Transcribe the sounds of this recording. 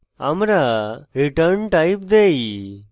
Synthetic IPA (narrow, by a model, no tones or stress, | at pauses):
ɐmɾaɾiʈɐɾnʈɐjpd̪ej